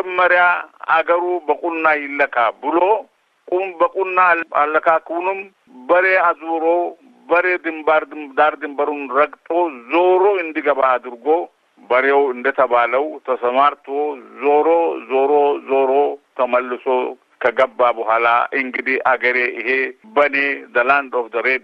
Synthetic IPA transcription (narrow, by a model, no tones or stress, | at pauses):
məɾjaa̰ɡəɾubəkʼunːajɪlːəkʰabɨlo̞ | kʼubəkʼunːaa̰lːəkʰakwunɨm | bəɾe̞azwɾo̞ | bəɾe̞d̪ɨmbaɾd̪aɾd̪ɨmbəɾunɾəkʼt̪ʼo̞zo̞ɾo̞ɨnd̪iɡəβaːd̪ɨɾɡo̞ | bɐɾewɪnd̪ɐt̪ɐbaːlɐwt̪ʰɐsɐmaɾt̪ozoːɾoːzoːɾozoːɾot̪ʰɐmɐlːɪso | kɐɡɐbːabɐɦaːla̰ʔɪŋɡɪd̪iʔaɡɐɾeɪhebɐneːd̪ɐland̪ofd̪ɐɾe